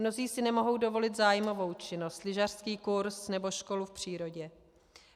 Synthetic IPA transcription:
no̞ziːsɪnɛmo̞ɦo̞wdo̞vo̞lɪt̪zaːjmo̞vo̞wt͡ʃɪno̞st̪lɪʒar̥skiːkuɾsnɛbo̞ʃko̞lufpr̝̥iːɾo̞ɟɛ

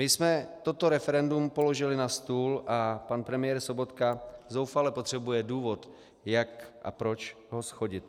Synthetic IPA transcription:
mɪsmɛt̪o̞t̪o̞ɾɛfɛɾɛndumpo̞lo̞ʒɪlɪnast̪uːlʔapanpɾɛmɪjɛɾso̞bo̞t̪kazowfalɛpot̪r̝̥ɛbujɛduːvo̞t̪ | jakʔa̰pɾo̞t͡ʃ | ɦosxo̞ɟɪt̪

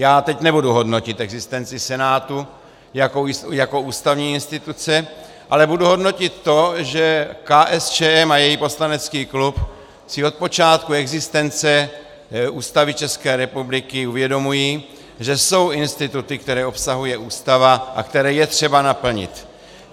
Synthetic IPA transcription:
jaːt̪ɛcnɛbuduɦo̞dno̞cɪt̪ɛɡzɪst̪ɛnt͡sɪsɛnaːt̪u | jakojako̞uːst̪avɲiːɪnst̪ɪt̪ut͡sɛ | ʔalɛbuduɦo̞dno̞cɪt̪ːo̞ʒɛkaːʔɛst͡ʃɛːɛmajɛjiːpo̞slanɛt͡skiːklup | sɪo̞t̪̚po̞t͡ʃaːt̪kuɛɡzɪst̪ɛnt͡sɛ | uːst̪avɪt͡ʃɛskɛːɾɛpublɪkɪuvjɛdo̞mujiː | ʒɛso̞wɪnst̪ɪt̪ut̪ɪkt̪ɛɾɛːo̞psaɦujɛuːst̪avaʔa̰kt̪ɛɾɛːjɛt̪r̝̥ɛbanapl̩ɲɪ̰t̪

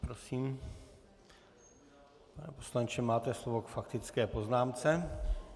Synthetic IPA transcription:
pɾosiːm | panɛpo̞̥slant͡ʃɛmaːt̪ɛslovokfakt̪ɪt͡skɛːpo̞znaːmt͡sɛ

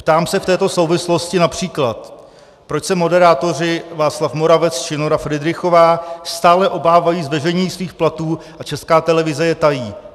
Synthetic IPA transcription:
pt̪aːmsɛft̪ɛːt̪o̞sowvɪslo̞scɪnapr̝̥iːklat̪ | pɾot͡ʃsɛmo̞dɛɾaːt̪o̞rɪvaːt͡slafmo̞ɾavɛt͡st͡ʃɪnoɾafɾɪdɾɪxo̞vaːst̪aːlɛʔo̞baːvajiːzvɛʒɛɲiːsviːxplat̪uː | ʔat͡ʃɛskaːt̪ɛlɛvɪzɛjɛt̪ajiː

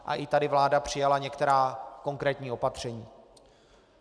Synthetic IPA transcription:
ʔa̰ʔɪt̪adɪvlaːdapr̝̥ɪjalaɲɛkt̪ɛɾaːko̞ŋkɾɛːt̪ɲiːʔo̞pat̪r̝̥ɛɲiː

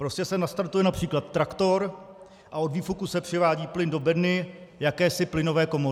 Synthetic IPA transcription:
pɾo̞scɛsɛnast̪aɾt̪ujɛnapr̥iːklat̪ːɾakt̪o̞ɾ | ʔao̞dviːfukusɛpr̥ɪvaːɟiːplɪndo̞bɛdnɪjakɛːsɪplɪno̞vɛːko̞mo

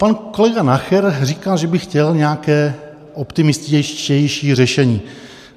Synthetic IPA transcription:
panko̞lɛɡanaxɛɾriːkalʒɛbɪxcɛlɲɛakɛː | ʔopt̪ɪmɪst̪ɛɛjʃiːrɛʃɛɲiː

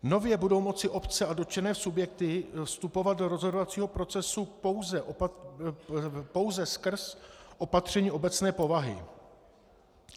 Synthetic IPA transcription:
no̞vjɛbudo̞wmo̞t͡sɪʔo̞pt͡sɛʔado̞t͡ʃɛnɛːsubjɛk̚t̪ɪfst̪upo̞vat̪̚do̞ɾo̞zɦo̞dovat͡siːɦo̞pɾo̞t͡sɛsupo̞wzɛʔ | po̞wzɛskr̩sʔo̞pat̪r̝̥ɛɲiːʔo̞bɛt͡snɛːpo̞vaɦɪ̰

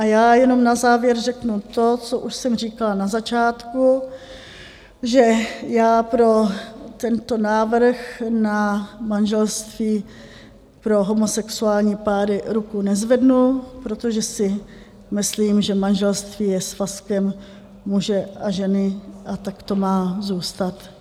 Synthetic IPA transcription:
ʔajaːjɛno̞mnazaːvjɛɾrɛknut̪o̞t͡so̞ʔuʃsɛmr̝iːkalanazat͡ʃaːt̪ku | ʒɛjaːpɾo̞t̪ɛnt̪o̞naːvr̩xnamanʒɛlst̪viː | pɾo̞ɦo̞mosɛksuaːlɲiːpaːɾɪɾukunɛzvɛdnupɾo̞t̪oʒɛsɪ | mɪsliːmʒɛmanʒɛlst̪viːjɛsfaskɛm | muʒɛʔaʒɛnɪʔat̪akt̪o̞maːzuːst̪at̪

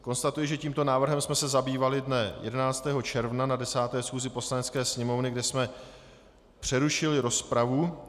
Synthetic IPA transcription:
ko̞nst̪at̪ujɪʒɛciːmt̪o̞naːvr̩ɦɛmsmɛsɛzabiːvalɪdnɛjɛ̰dɛnaːt͡st̪ɛːɦo̞t͡ʃɛɾvnanadɛsaːt̪ɛːsxuːzɪpo̞slanɛt͡skɛːsɲɛmo̞vnɪɡdɛsmɛ | pr̝̥ɛɾuʃɪlɪɾo̞spɾavu

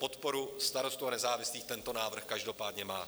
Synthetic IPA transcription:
po̞t̪po̞ɾust̪aɾo̞st̪uanɛzaːvɪsliːxt̪ɛnt̪o̞naːvr̩xkaʒdo̞paːdɲɛmaː

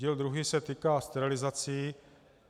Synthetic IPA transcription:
iːld̪ɾuɦiːsɛt̪iːkaːst̪ɛɾɪlɪzat͡siː

